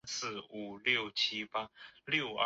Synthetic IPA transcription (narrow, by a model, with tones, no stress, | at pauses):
sɹ̩˥˩u˨˩ljo˥˨˩ʊt͡ɕʰi˥pa˥ljo˥˩ʊ